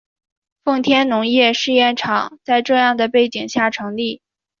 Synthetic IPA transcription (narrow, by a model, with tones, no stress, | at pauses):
fɤ˥˩ŋt̪ʰjɛ˥nnʊ˧˥ŋjɛ˥˧ʂɻ̩˥˧jɛ˥˩nʈ͡ʂʰɑ˨˩˦ŋt͡sa˥˧ɪʈ͡ʂɤ˥˧jɑ˥˩ŋd̪ə˩pe˥˩ɪt͡ɕi˨˩ŋɕja˥˩ʈ͡ʂʰɤ˧˥ŋli˥˩